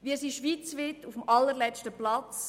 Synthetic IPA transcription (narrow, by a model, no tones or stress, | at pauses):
ʋiəsiʃʋiːt͡sʋɪtufmɑlːəɾlɛt͡ʃtəplɑt͡s